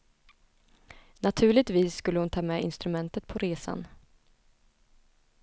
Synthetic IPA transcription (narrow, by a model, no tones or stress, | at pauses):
nat̪ʰʉ̟ːɭɪt̪viːsːkɵlːəhʊnt̪ʰɑːmɛɪ̰nst̪ɾɵmɛnt̪ət̪̚pʰɔɾeːsa̰n